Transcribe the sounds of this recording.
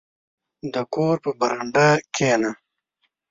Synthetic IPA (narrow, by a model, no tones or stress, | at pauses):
d̪əkoːɾpəbɐɾaɳɖakʰena